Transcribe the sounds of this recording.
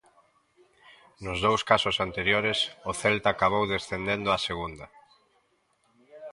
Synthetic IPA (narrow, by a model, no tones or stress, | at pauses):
nʊzðowskasʊsant̪eɾjoɾɪsʊθɛlt̪aːkaβ̞owðesθend̪end̪ʊaseɣund̪ɐ